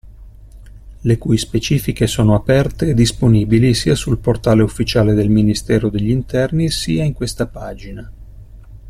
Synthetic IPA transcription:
lekujspet͡ʃiːfikesoːnoapɛrt̪eːd̪ːisponiːbilisiasulport̪aːleufːit͡ʃaːled̪elminist̪ɛːɾod̪eʎːint̪ɛrnisiːaiŋkwest̪apaːd͡ʒina

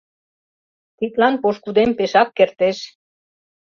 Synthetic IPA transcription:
t̪it̪lɑnpoʃkud̪empeʃɑkːert̪eʃ

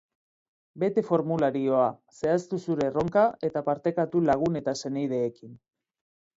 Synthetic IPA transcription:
be̞t̪e̞fo̞ɾmulaɾio̞ase̞ast̪usuɾe̞ro̞ŋkae̞t̪apaɾt̪e̞kat̪ulaɣ̞une̞t̪ase̞nejð̞e̞ːkin

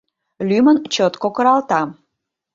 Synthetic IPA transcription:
lymənt͡ɕot̪kokəɾɑlt̪ɑ

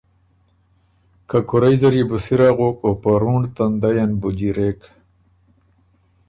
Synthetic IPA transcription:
kakuɾajzɐɾibusiɾaːɣokopaɾuɳɖt̪and̪ajanbud͡ʑiɾek

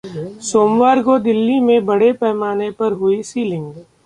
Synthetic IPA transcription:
soːmwaːɾkod̪ɪlːimẽbɐɽepɛːmaːnepɐɾɦʊisiːlɪ̃ŋɡ

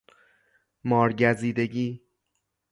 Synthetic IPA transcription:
mɒːɾɟæziːd̪eɟiː

